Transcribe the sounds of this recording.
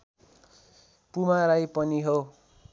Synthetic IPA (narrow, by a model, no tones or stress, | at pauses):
pumaɾajpʌniɦo